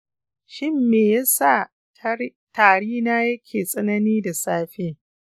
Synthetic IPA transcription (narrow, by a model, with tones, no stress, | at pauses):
ʃɪ˦mːeː˨ja˦sa˦˨ | taː˨ɽiː˦naː˦jɐ˦kʲʰeː˨sʼɐ˦nɐ˦niː˦da˨saː˦ɸeː˦